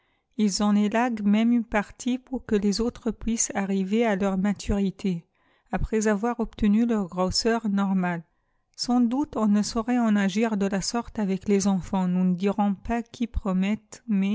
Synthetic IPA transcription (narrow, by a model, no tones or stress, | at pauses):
ilzɔ̃lelaɡmɛmynpaʁt̪ʰipuʁkəlezot̪χəpɥisaʁivealœʁmat̪ʰyʁit̪ʰe | apχɛzavwaʁɔpt̪ənylœʁɡʁosœʁnɔʁmal | sɑ̃d̪ut̪ɔ̃nəsɔʁɛɑ̃naʒiʁd̪əlasɔʁt̪avɛklezɑ̃fɑ̃nunəd̪iʁɔ̃pakʲʰipχɔmɛt̪mɛ